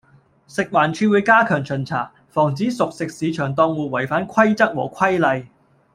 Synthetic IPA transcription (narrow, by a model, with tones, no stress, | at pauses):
sɪ˨k̚waː˨˩nt͡ʃʰyː˧wuː˨˧˥jkaː˥kʰœː˨˩ŋt͡ʃʰɵ˨˩nt͡sʰaː˨˩ | fɔː˨˩ŋt͡siː˨˥sʊ˨k̚sɪ˨k̚siː˨˧˥t͡ʃʰœː˨˩ŋt̪ɔː˧ŋwuː˨˧wɐ˨˩jfaː˨˥nkʰɐ˥jt͡sɐ˥k̚wɔ̰ː˨˩kʰɐ˥jlɐ˨˧j